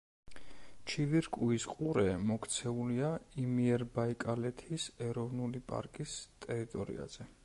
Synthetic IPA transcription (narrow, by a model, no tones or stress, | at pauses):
t͡ʃʰiviɾkʼuisqʼuɾɛmɔkʰt̪sʰɛuliaimiɛɾbaikʼalɛt̪ʰisɛɾɔvnulipʼa̰ɾkʼist̪ʼɛɾit̪ʼɔɾḭa̰z̥ɛ